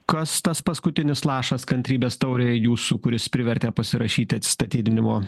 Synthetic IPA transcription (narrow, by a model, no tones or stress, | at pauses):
kɐst̪ɐspɐskʊt̪ʲɪnʲɪslˠɑːʃɐskɐnt̪ʲɾʲiːbʲeːst̪ɐʊɾʲejuːsuːkʊɾʲɪspʲɾʲɪʋʲɛɾʲt̪ʲɛːpɐsʲɪɾɐʃʲiːt̪ʲɪɐt̪sʲɪ̥st̪ɐt̪ʲiːd̪ʲɪnʲɪmoː